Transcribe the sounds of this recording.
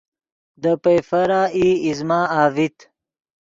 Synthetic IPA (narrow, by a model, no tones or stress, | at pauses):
d̪əpejfɐɾaːiːizmaːaːvit̪